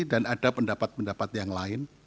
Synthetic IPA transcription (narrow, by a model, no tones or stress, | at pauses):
danad̥apəndapat̪̚pəndapat̪jaŋlaɪn